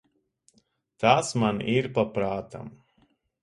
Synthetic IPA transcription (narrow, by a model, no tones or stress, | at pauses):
t̪aːsmaniɾpapɾaːt̪a̰m